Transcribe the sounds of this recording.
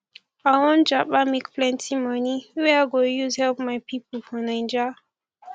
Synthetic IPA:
awɔ̃nd͡ʒabamekpʰlɛ̃ntʰimʌniwɛaɡojuzhɛlp̚maɪpʰipəlfɔ̃nãɪ̃nd͡ʒa

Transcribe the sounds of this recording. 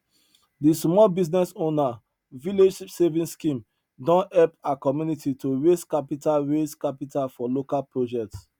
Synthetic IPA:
dismɔlbiznɛsona | vileʃipsevĩnskĩm | dɔ̃nɛlpakɔmjunitʰitoɹeskapitalɹeskapitʰalfɔlokalpɹod͡ʒɛk̚ts

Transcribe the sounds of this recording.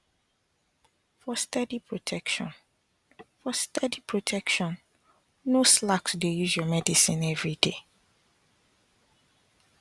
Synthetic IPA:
fɔstɛdipʰɹotʰɛkʃɔ̰̃n | fɔstɛdipʰɹotʰɛkʃɔ̃n | noslaksdejuzjɔmɛdisĩnɛvɹide

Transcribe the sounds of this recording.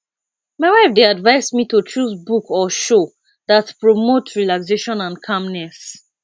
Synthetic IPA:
maɪwaɪfdeadvaɪsmitut͡ʃusbukɔʃo | ðatpɹɔmotɹilakseʃɔ̃nãnkʰãmnɛs

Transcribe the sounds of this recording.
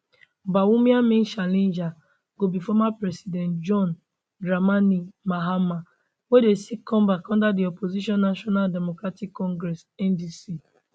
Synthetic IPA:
bawumjamɪn̩ʃalind͡ʒa | ɡ̥obifɔmapɾɛsidɛntd͡ʒɔn | ɡɾamanimaɦama | wedesikɔ̃mbakɔ̃ndadiɔpoziʃɔnːaʃɔnaldemokɾatikːɔ̃ŋɡɾɛsɛndisi

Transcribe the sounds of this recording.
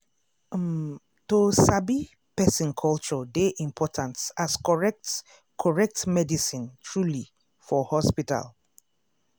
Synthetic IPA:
tosabi | pɛsĩnkʰɔlt͡ʃɔdeʔĩmpʰɔtʰãnsasɹɛ | kʰɔɹɛk̚tmɛdisĩntʰɹuli | fɔhɔspita̰l

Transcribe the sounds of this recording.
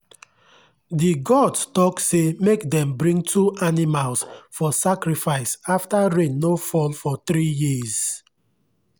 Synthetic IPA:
diɡɔdtɔksemekdɛ̃mbɹĩŋɡtuʔanimalsfɔsakɾifaɪsaftaɹẽnːofɔlfɔθɾijiz̥

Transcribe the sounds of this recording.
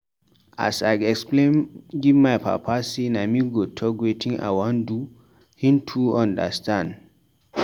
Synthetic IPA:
ʔa̰sajɛksplẽnɡivmajpʰa̰pʰasinamiɡotʰɔɡwetĩŋa̰jwɔ̃ndu | hĩmtʰuãnda̰stãnd

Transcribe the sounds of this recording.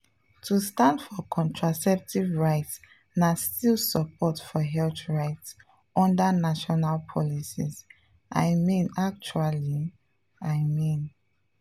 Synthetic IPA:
tʰustãndfɔkʰɔ̃ntʰɹasɛp̚tivɹaɪts | nastilˠsəpʰɔtfɔɦɛlθɹaɪts | ɔ̃ndanaʃɔnalpʰɔlisis | ʔa̰ɪmĩnak̚t͡ʃuali | aɪmĩn

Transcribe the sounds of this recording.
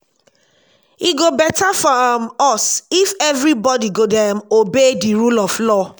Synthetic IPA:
iɡobɛtafɔmɔsifɛvɾibɔdiɡodɛmobediɹulɔflɔ

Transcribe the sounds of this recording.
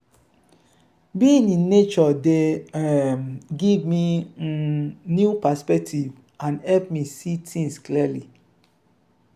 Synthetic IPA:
bĩnĩnet͡ʃɔde | ɡivmi | njupaspɛk̚tʰiv | ãnɛlp̚misitʰĩŋsklili

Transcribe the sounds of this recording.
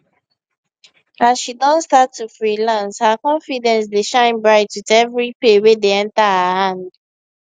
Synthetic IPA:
azʃidɔ̃nstatːufɹilãnshakɔ̃nfidɛ̃ns̬deʃãɪ̃nbɹaɪtwitɛvɹipewedeɛ̃ntahahãnd

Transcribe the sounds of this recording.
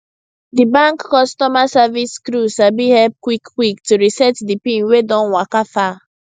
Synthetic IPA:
dibãŋkːɔstɔmasaviskɾusabihɛlp̚kwikːwiktuɹisɛtdipĩnwedɔ̃nwakafa

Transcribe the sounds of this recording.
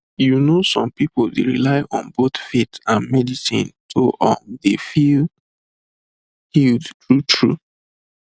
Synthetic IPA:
junosɔ̃mpipoldḛɹilaɪʔɔ̰̃nboθfetãnmɛdisḭ̃ntʰoʔɔ̃ndefil | hildtɹutʰɹu

